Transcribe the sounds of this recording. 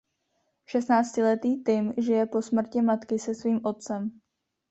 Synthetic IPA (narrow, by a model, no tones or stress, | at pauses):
ʃɛst̪naːt͡scɪlɛt̪iːt̪ɪmʒɪjɛpo̞smr̩cɪmat̪kɪsɛsviːmʔo̞t̪̚t͡sɛm